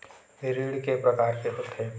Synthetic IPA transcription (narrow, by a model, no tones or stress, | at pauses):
eɾiːɽkepɾɐkaːɾkeɦʊt̪ʰɦeː